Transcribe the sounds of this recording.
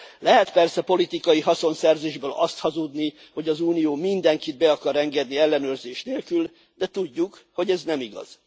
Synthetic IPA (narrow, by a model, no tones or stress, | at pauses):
lɛɦɛt̪pɛrsɛpo̞lit̪ikɒjiɦɒso̞nsɛrzeːʒbøːlɒst̪hɒzud̪ni | ho̞ɟɒzuːnijoːmind̪ɛŋkid̪̚bɛɒkɒɾɛŋɡɛd̪niɛlːɛnøːrzeːʃneːlkyl | d̪ɛt̪uɟːukho̞ɟɛznɛmiɡɒ̰z̥